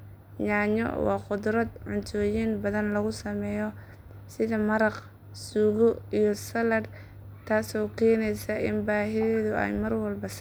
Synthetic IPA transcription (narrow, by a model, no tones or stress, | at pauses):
ɲaːɲɔ̰wɑ̰ːqʊd̪ɾɐd̪ʕʊnt̪ʰɔːjinbɐðɐnlɐɣʊsɐmɛːjɔ | sɪðɐmɐɾɑq | suːɣʊijɔsɐlɐd | t̪ʰaːsɔːkʰɛːnɛjsɐʔɪ̰nbaːɦɪðɛːðʊɛ̰jmɐrwɐlbɐs